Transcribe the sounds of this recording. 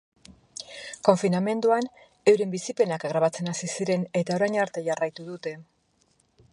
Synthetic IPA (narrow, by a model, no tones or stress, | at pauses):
ko̞ɱfiname̞nd̪uan | e̞wɾembisipe̞nakɡɾaβ̞at͡se̞nasisiɾe̞ne̞t̪ao̞ɾajɲaɾt̪e̞ʝarajt̪uð̞ut̪e̞